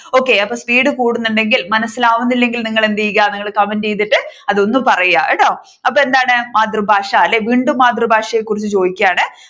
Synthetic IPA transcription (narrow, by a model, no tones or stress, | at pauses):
o̞ːkːe̞ɐpːoːspiːɽɨkuːɽunːuɳɖe̞ŋɡilmɐnɐsːilaːʋunːilːe̞ŋɡilniŋːɐɭend̪ijiɣaniŋːɐɭkɐmɐnd͡ʑejt̪ːiʈːɨɐðo̞nːumpɐrɐjaʔeɽoː | ɐp̬ːoːe̞nd̪aːɳɨmaːt̪rumbʱaːʂɐɐlːeʋiːɳɖumːaːd̪rɨbʱaːʂɐjekːurit͡ɕːɨt͡ɕo̞ːðikʲːɐjaːɳɨ